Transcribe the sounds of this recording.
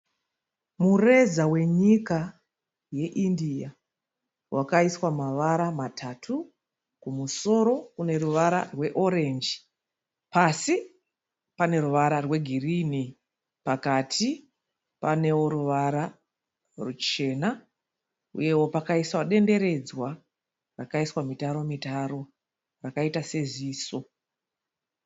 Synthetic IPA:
mure̞zawe̞ɲika | je̞ʔindia | wʔakaiswamaʋaɾamatʰatʰu | kumuso̞ɾo̞kune̞ɾuʋaɾa̰rwe̞ʔo̞ɾe̞nd͡ʒi | pasi | pane̞ruʋaɾarwe̞ɡʱirini | pakatʰi | pane̞wo̞ɾuʋaɾa | rut͡ʃe̞ːna | ṵje̞wo̞pakaiswaɗe̞nde̞ɾe̞d͡zwa | rakaiswamitaɾo̞mitaɾo̞ | rakaitaseziːso̞

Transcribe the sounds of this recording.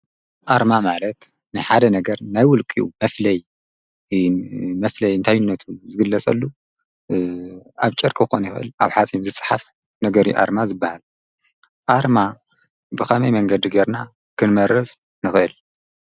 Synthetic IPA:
ʔaɾmamalɐt̪ | nɨħad̪ɐnɐɡɐɾnajwʊlkʼiṵmɐflɐj | mɐflɐjɨnt̪ʰajunːɐt̪ʰuzɨɡɨlːɐt͡sʼɐ̰lːu | aβt͡ʃʼɨɾkʼɨxonjixɨʔɨ̰laβħat͡sʼinzɨt͡sʼħaf | nɐɡɐɾiuʔa̰ɾmazɨbːahal | ʔaɾma | bɨkɐmɐjmɐŋɡɐd̪iɡeɾna | kʰɨnmɐɾɐsʼ | nɨxɨʔɨl

